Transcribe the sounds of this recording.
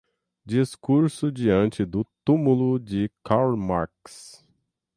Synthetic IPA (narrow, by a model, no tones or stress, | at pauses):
d͡ʒiskuɾsʊd͡ʒiɐ̃nt͡ʃɪd̪ʊt̪umulʊd͡ʒɪkaɾlma̰ɾks